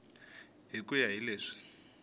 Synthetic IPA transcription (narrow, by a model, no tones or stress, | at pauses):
ɦikujaɦileːʂi̥